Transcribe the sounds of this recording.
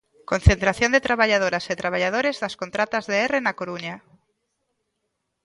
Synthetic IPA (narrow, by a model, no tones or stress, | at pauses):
ko̞nθent̪ɾaθjo̞nd̪et̪ɾaβaʎað̞oɾaset̪ɾaβ̞aʎað̞oɾezðaskont̪ɾat̪azðeerenakoɾuɲa